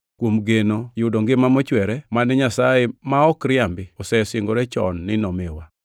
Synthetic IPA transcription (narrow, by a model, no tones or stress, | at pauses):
kwomɡenojʊdoŋɡɪmamɔt͡ʃwɛɾɛmanɛɲasaemaɔkɾɪambɪɔsɛsɪŋɡoɾɛt͡ʃɔ̰nːɪnɔmewa